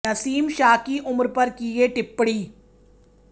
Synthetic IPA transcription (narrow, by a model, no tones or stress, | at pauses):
ɐsiːmʃaːkiʔʊmɾpɐɾkieʈɪpːɽiː